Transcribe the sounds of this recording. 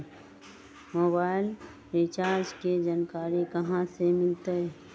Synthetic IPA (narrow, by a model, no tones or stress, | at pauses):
moːbaːɪl | ɾɪt͡ʃaːɾd͡ʒked͡ʒaːnkaːɾikəɦãsemɪlt̪eɦɛ